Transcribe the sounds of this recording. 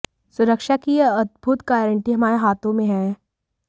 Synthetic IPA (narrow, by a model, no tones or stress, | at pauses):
sʊɾəkʃakijeɐd̪̚bʱʊt̪ɡaːɾə̃ɳʈiɦɐmaːɾeɦaːt̪ʰõmẽɦɛ̃ː